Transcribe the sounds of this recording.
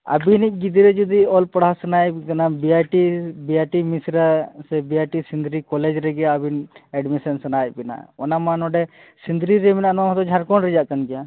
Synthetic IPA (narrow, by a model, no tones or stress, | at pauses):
ə̰binik̚ɡid̪iɾɛd͡ʒud̪iɔlpəɽasənajkɐnabiaʈibiaʈimisɾasɛbiaʈisind̪ɾikɔled͡ʒɾɛɡɛabinɛɖmisɛnsənajbina̰ɔ̰namanɔɖɛ | sind̪ɾiɾɛminanaɦɔt̪ɔd͡ʒʱaɾkɔnɾɛd͡ʒaʔkənɡija